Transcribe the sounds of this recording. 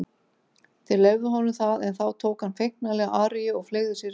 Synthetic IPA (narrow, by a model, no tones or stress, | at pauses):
θɛlɛɣðʏɦɔnʏmθaðɛnθawt̪ʰoːwkhanfejhk̚nalɛɣaʔaːɾɪjɪɔɣfleːɣðʏsjɛɾ